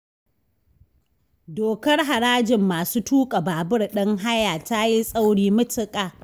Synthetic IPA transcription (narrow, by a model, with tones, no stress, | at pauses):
doː˨kɐ˦rɦa˨ɽaː˦d͡ʒɪ˨mːaː˨suː˦tuː˦kʼa˨baː˨bɪ˦rɗɐ˦ŋɦa˦jaː˨ta˦ji˦sʼa˦wɽiː˦mʊ˦tɪ˦kʼaː˨